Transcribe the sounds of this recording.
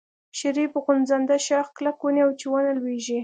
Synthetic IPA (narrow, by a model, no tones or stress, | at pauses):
ʃɪɾipəɣʊnzand̪aʃɑxklakwuniawt͡ʃiwɑnalweʒi